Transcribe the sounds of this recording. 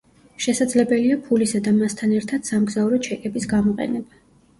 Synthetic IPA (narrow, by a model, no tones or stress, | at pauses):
ʃɛsad̪zlɛbɛliapʰulisad̪amast̪ʰanɛɾt̪ʰad̪̥samɡzauɾɔt͡ʃʰɛkʼɛbisɡamɔqʼɛ̰nɛba